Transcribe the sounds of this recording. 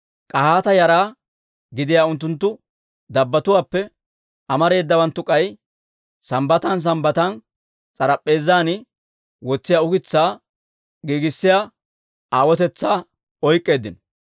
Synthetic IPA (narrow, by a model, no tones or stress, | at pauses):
kʼɐhaːt̪ɐjɐɾaː | ɡɪd̪ɪjaːʊnt̪ːʊnt̪ːʊ | d̪ɐbːɐt̪ʊwaːpːɛ | ʔɐmɐɾe̞ːd̪ːɐwɐnt̪ːʊkʼɐj | sɐmbɐt̪ɐns̬ɐmbɐt̪ɐn | t͡sʼɐɾɐpʼːe̞ːzːaːnɪ | wɔt͡sːɪjaʊɡɪt͡sːaː | ɡiːɡɪsːɪjaː | aːwɔt̪ɛt͡sːaː | ɔjkʼːe̞ːd̪ːɪnɔ